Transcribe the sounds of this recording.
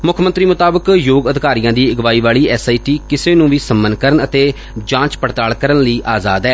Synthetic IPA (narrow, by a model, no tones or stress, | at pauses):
mʊkʰmənt̪ɾiːmʊt̪aːbəkjoːɡəd̪ɪkaːɾijãːd̪iːɪɡʋaːiːʋaːɭiːɛːsaːiːʈiːkɪseːnũːʋiːsəmːənkəɾənət̪eː | d͡ʒãːt͡ʃpəɽt̪aːɭkəɾənləiːʔaːzaːd̪ɛː